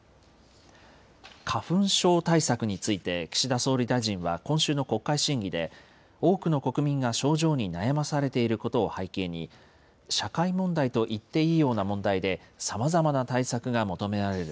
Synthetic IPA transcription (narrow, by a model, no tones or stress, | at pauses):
kʰaɸɯ̟̃ɰ̃ɕo̞ːt̪aisakɯ̟ɲ̟it͡sɨit̪e̞kʲi̥ɕid̪aso̞ːɾʲid̪aiʑĩɰ̃βa̰kõ̞ɰ̃ɕɨːno̞ko̞kːaiɕĩŋɡʲid̪e̞̰ | o̞ːkɯ̟no̞ko̞kɯ̟mʲĩŋɡaɕo̞ːʑo̞ːɲ̟inajamasaɾe̞t̪e̞iɾɯ̟ko̞t̪o̞ːhaike̞ːɲ̟i | ɕakaimõ̞nd̪ait̪o̞ʔit̪ːe̞iːjo̞ːnamõ̞nd̪aid̪e̞samazamanat̪aisakɯ̟ɡamo̞t̪o̞me̞ɾaɾe̞ɾɯ̟